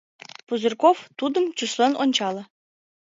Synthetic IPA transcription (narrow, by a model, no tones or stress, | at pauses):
puzɘrkoft̪ud̪ə̆mt͡ɕuslenonʲt͡ɕɑlˠɤ̆